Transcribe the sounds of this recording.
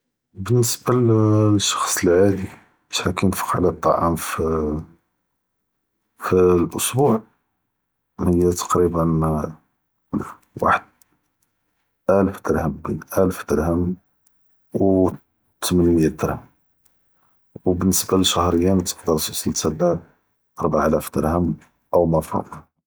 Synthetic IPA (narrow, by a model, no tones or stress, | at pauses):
bənːəsbalʃːɑ̥xsˤəlʕad̪i | b̥ʃħakinfə̥qʕlæt̪ˤːɑ̰ʕɑ̰mf | filʔʊsˤbuʕ | mhəjːæt̪ɑ̥qɾibən | l | wa̰ħəd̪̚ | ʔælfd̪əɾhəmbinʔælfd̪əɾhəm | w | t̪mənməjːæd̪əɾhəm | wbənːəsbaləʃæhɾəjːamt̪ə̥qd̪əɾˤt̪əsilt̪æd̪æ | ʔɑɾˤbaʕʔælæfd̪əɾhəm | ʔəwmɑfɑ̰d̪ˤ